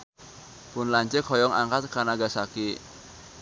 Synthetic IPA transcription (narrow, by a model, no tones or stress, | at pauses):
pʊnlaɲt͡ʃekʰɔjɔŋa̰ŋkat̪̚kanaɡasaki